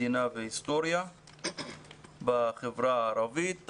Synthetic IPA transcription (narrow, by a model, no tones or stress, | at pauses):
inaveist̪oɾia | baχevɾaɾavit̪